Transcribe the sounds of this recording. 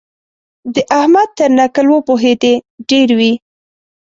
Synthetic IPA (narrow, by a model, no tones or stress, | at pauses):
d̪əʔahmad̪̚t̪əɾnakəlwəpoɦed̪eɖeɾwi